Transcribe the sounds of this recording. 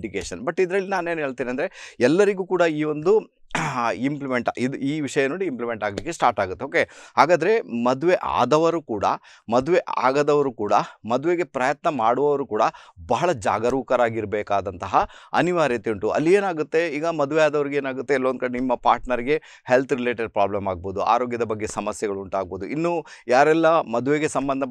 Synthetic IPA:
ɖikeːʃɐnbɐʈːid̪ɾɐɭːinaːneːnɦeːɭt̪iːniɐnd̪ɐɾeɛlːɐɾiɡuːkuːɽɐiːʋo̞nd̪u | implimeɳʈaid̪uiːʋiʂɐjɐno̞ːɽiimplimeɳʈaːɡlikːesʈaːɾʈaːɡut̪ːeoːke̞haːɡaːd̪ɐɾe̞mɐd̪uʋe̞ʔa̰ːd̪ɐʋɐɾuːkuːɽɐ̰ | mɐd̪uʋe̞ʔa̰ːɡɐd̪ɐʋɐɾukuːɽɐ̰mɐd̪uʋeɡe̞pɾɐjɐt̪nɐmaːɽuʋɐʋɐɾuːkuːɽɐbɐɦɐɭɐd͡ʒa̰ːɡɐɾuːkɐɾaːɡiɾɐbɛːkaːd̪ɐnt̪ɐɦɐɐniʋaːɾjɐt̪iɳʈuʔɐ̰lːieːnaːɡut̪ːe̞iːɡɐmɐd̪uʋeaːd̪ɐʋɐɾiɡeːnaːɡut̪ːeːlːond̪kɐɽenimːɐpaːɾʈnɐɾiɡe̞ | he̞lt̪ʰɾileːʈɐɾpɾaːblɐmaːɡ̚bo̞ːd̪ua̰ːɾo̞ːɡjɐd̪ɐbɐɡːe̞sɐmɐsjɛɡɐɭuɳʈaːɡ̚bo̞ːd̪uʔinːujaːɾɛlːɐmɐd̪uʋeɡe̞sɐmbɐnd̪ʱɐ

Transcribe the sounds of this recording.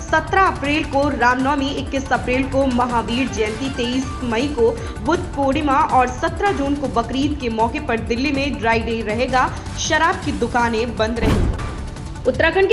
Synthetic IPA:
sɐt̪ɾaɐpɾeːlkoɾaːmnɔːmiɪkːɪsɐpɾeːlkomɐɦaːʋiːɽd͡ʒɛ̃ːnt̪it̪eːiːsmɐiko | bʊd̪̚poːɽɪmaʔɔːɾsɐt̪ɾad͡ʒuːnkobɐkɾiːt̪kemɔːkepɐɾd̪ɪlːimẽɖɾaːɪɖeːiɾɐɦeːɡaː | ʃɐɾaːb̚kid̪ʊkaːnẽbɐ̃nd̪ɾɐɦeːɡa | ʊt̪ɾaːkʰəɳk

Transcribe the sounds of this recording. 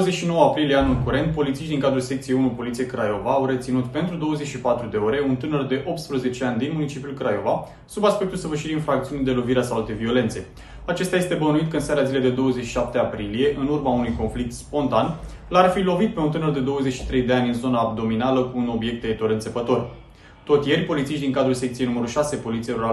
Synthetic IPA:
oəzeʃino̞wəapɾilijeanulkuɾe̞nt̪̚po̞lit̪siʃt̪d̪iŋkad̪ɾulsekt̪siejunupo̞lit̪sije̞jkɾajo̞vaːwɾe̞t̪sinut̪pe̞nt̪ɾud̪o̞wəze̞t͡ʃʃipat̪ɾud̪e̞o̞ɾe̞unt̪ɨnərd̪e̞ʔo̞p̚t̪spɾəze̞t͡ʃeanʲd̪inmunit͡ʃipjulkɾajo̞va | subaspek̚t̪ulsəvɨrʃiɾinfɾakt̪siunid̪e̞lo̞viɾeasaald̪evio̞le̞nt̪se̞ | at͡ʃe̞st̪ɛaje̞st̪e̞bənuit̪̚kəɨnseaɾazile̞jd̪e̞d̪o̞wəzet͡ʃʃiʃap̚t̪eapɾilije̞ʔɨnurmaunujko̞nflik̚t̪spo̞nt̪an | larfilo̞vit̪̚pe̞unt̪ɨnərd̪e̞d̪o̞wəzet͡ʃʃi̥t̪ɾe̞jd̪e̞anʲɨnzo̞naːb̚d̪o̞minaləkuːno̞bje̞k̚t̪eet̪oɾɨnt̪sepət̪o̞r | t̪o̞t̪ʲje̞rʲpo̞lit̪siʃtd̪iŋkad̪ɾulsekt̪siejnuməɾulʃase̞po̞lit̪sieɾoɾa

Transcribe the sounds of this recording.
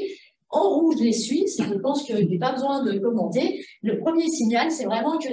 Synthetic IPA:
ɑ̃ʁuʒlesɥisɛʒəpɑ̃skəlɛpabəzwɛ̃d̪əkɔmɑ̃t̪eləpχəmjesiɲjalsɛvʁɛmɑ̃kə

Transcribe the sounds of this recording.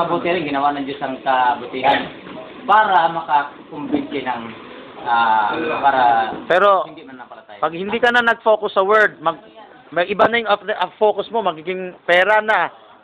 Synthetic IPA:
ɐbut̪ɪɾɪŋɡɪnɐwanɐŋd͡ʒosɐŋkɐbʊt̪ɪɦan | paːɾɐmɐkakʊmbɪnt̪ɪnɐŋ | ʔapaːɾɐpɛːɾo̞ɪnd̪ɪmanːɐpɐlɐt̪aːjpɐɡ̚hɪnd̪ikɐnɐnɐɡ̚foːkʊsːɐwɛɹd̪̚mɐɡ̚ | mɐjʔɪbanɐjʊŋɐʔɐfoːkʊsmo̞mɐɡiːɡɪŋpɛːɾana

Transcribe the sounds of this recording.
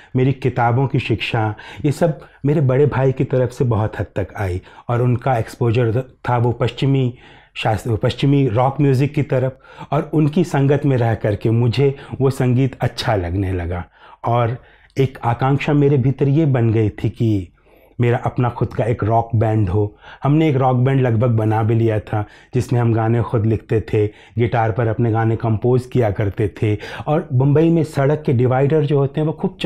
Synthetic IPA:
meːɾikɪt̪aːbõkiʃɪkʃajesɐbmeːɾebɐɽebʱaːikit̪ɐɾəfsebɐɦʊt̪ɦɐt̪ːɐkaːiɔːɾʊnkaeːkspoːʒəɾt̪ʰaʋopɐʃt͡ʃɪmi | ʃaːspɐʃt͡ʃɪmiɾɔːkmjuːzɪkːit̪ɐɾəfɔːɾʊnkisɐ̃ŋɡət̪mẽɾɛɦkɐɾkemʊd͡ʒʱeʋosɐ̃ŋɡiːt̪ɐtːʃʰalɐɡnelɐɡaːɔːɾ | eːkaːkãːŋkʃameːɾebʱɪt̪ɾjebɐnɡɐit̪ʰiki | meːɾaʔɐpnaxʊd̪kaeːkɾɔːkbɛ̃ːɳɖɦohɐmneeːkɾɔːk̚bɛ̃ːɳɖlɐɡbʱəɡ̚bɐnabelijat̪ʰad͡ʒɪsmẽɦɐmɡãːnexʊd̪lɪkʰt̪et̪ʰe | ɡɪʈaːɾpɐɾɐpneɡãːnẽkɐ̃mpoːzkijakɐɾt̪et̪ʰeɔːɾbɐ̃mbəimẽsɐɽəkːeɖɪʋaːɪɖəɾd͡ʒoːɦoːt̪eɦɛ̃ʋokuːb̚t͡ʃ

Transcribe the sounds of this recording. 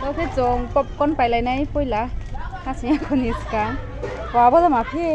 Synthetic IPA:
t̪ɔpʰet͡sɔŋpɔp̚kɔnpajlajnajpojlakʰasijãkʰɔniska | pabɔlamapʰi

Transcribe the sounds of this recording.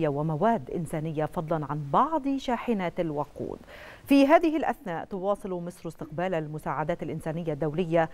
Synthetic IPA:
jːawamawaːd̪ːʔɪ̰nsaːnɪjːafɑd̪ˤlɑnʕanbɑʕd̪ˤʃaːħɪnaːt̪alwɑqṵːd̪fiɦaːðɪɦɪlʔa̰θnaːʔt̪ʊwɑːsˤɨlmɪsɾʊst̪ɪq̚baːlalmʊsaːʕad̪aːt̪alʔɪnsaːnɪjːad̪ːawlɪjːa

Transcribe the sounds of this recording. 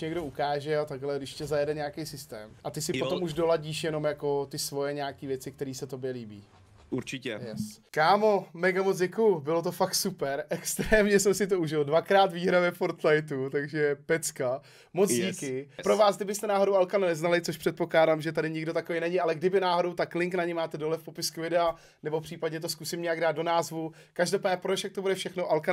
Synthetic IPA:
ɲɛɡdo̞ukaːʒɛat̪aɡɦlɛdɪʃcɛzajɛdɛɲaakejsɪst̪ɛ̰ːmʔat̪ɪsɪpot̪o̞muʒdo̞laɟiːʃjɛno̞mjako̞t̪ɪsvo̞jɛɲaːkiːvjɛt͡sɪkt̪ɛɾiːsɛt̪o̞bjɛliːbḭː | uɾt͡ʃɪɛjɛskaːmo̞mɛɡamot͡sɟɛkujʊbɪlot̪̬o̞fakt̪supɛɾʔɛkst̪ɾɛːmɲɛsɛmsɪt̪̬o̞uʒɪldvakɾaːt̪viːɦɾavɛfoɾt̪lajt̪̬ut̪aɡʒɛpɛt͡ska | mot͡sɟiːkɪpɾo̞vaːsɡdɪbɪst̪ɛnaːɦoɾo̞walkanunɛznalɪt͡soʃpr̥ɛt̪po̞klaːdaːmʒɛt̪adɪɲɪɡdoakovejnɛɲɪalɛɡdɪbɪnaːɦo̞do̞wt̪aklɪŋknaɲɛmaːt̪ɛdolɛfpo̞pɪskuvɪdɛa | nɛbofpr̥iːpadɲɛt̪̬o̞skusɪmɲɛjaɡ̚daːt̪̚do̞naːzvu | kaʒdopaːdɲɛpɾot͡ʃjakt̪obudɛfʃɛxno̞ʔalka

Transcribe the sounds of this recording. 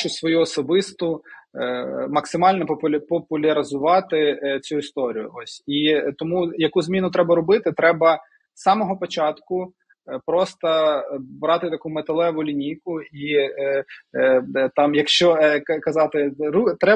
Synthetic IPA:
t͡ʃʊsʋɔjuɔsɔbɪst̪ʊ | mɐksɪmɑlʲnɔɔpɔpʊlʲɐɾʲɪzʊʋɑt̪ɪt͡sʲuist̪ɔɾʲijʊ̰ɔsʲit̪ɔmujɐkuzmʲinʊt̪ɾɛbɐɾʊbɪt̪ɪt̪ɾɛbɐ | sɑmɔɦɔpɔt͡ʃɑt̪kʊ | pɾɔst̪ɐbɾɑt̪ɪt̪ɐkumet̪elˠɛʋʊlʲinʲijkʊi | t̪ɑmjɐkʃt͡ʃɔkɐkɐzɑt̪ɪrut̪ɾɛ

